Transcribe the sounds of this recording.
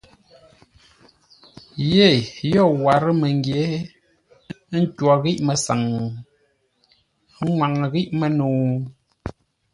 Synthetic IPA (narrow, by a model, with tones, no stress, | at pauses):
je˦˨jɔ˦˨wa˨ɾə˦mə˨ŋɡje˨˦ | n̩˦twɔ˨ɣi˦ʔmə˨sa˨ŋ˨˦ | ŋwa˨ŋ˨ɣi˦ʔmə˨nuː˨